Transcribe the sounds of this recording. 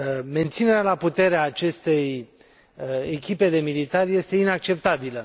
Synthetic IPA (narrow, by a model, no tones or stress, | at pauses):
me̞nt̪sine̞ɾealaput̪e̞ɾeaːt͡ʃe̞st̪e̞j | ekʲipe̞d̪e̞milit̪arʲje̞st̪e̞inak̚t͡ʃe̞p̚t̪abilə